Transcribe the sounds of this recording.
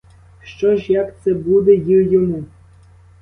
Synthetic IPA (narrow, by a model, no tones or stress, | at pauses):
ʃt͡ʃɔʒjakt̪sɛbud̪ɛjijɔmu